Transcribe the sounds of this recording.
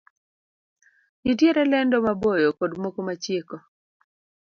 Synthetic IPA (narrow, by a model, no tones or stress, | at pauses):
ɲitjeɾɛlɛndɔmabojokodmokomat͡ʃjeko